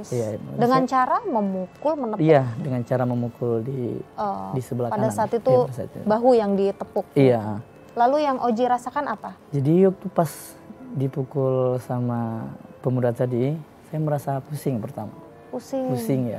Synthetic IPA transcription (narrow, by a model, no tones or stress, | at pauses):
sijaidəŋant͡ʃaɾaməmukʊlmənəiadəŋant͡ʃaɾaməmukʊldiədisəbəlakpaadanaaːt̪it̪uasa̰t̪ṵbaɦujaŋdit̪əpʊk̚ija | lalujaŋʔod͡ʒiɾasakanapad͡ʒadiwak̚t̪upas | dipukʊlsamapəmudat̪adi | sajaməɾasapusɪŋpərt̪ama | pusɪŋpusɪŋja̰